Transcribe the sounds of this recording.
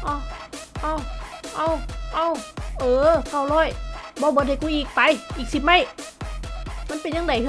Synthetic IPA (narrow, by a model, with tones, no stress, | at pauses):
ʔa˧˩ʔa˧˩wʔa˧˩˨wʔa˧˩˨wʔɤː˨˧˩ka˧˩wlɔː˧˥˩jbɔː˧˦bɤː˧˦t̚hjku˧˨ʔiː˨˩k̚pa˨˦jʔiː˨˩k̚si˨˧˩p̚ma˧˥˩j | ma˧˥˨pe˨nɲaː˧ŋda˨˦j